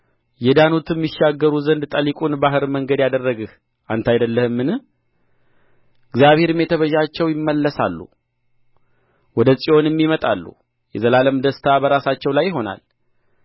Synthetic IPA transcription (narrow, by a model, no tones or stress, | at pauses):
jɛd̪anut̪ʰɨmːɪʃːaɡːəɾuzənd̪t̪ʼəlikʼunbaɦɨɾməŋɡəd̪jad̪ərːəɡɨh | ʔant̪ʰajd̪əlːəhɨmːɨnɨ | ɨɡzijaβhe̞ɾmet̪ʰəβəʒat͡ʃːɛwjɪmːəlːəsa̰lːṵ | wɔd̪əsʼio̞nɨmːimət̪ʼalːṵ | jɛzəlaləmd̪əst̪ʰabəɾasat͡ʃːɛwlajːɪɦo̞na̰l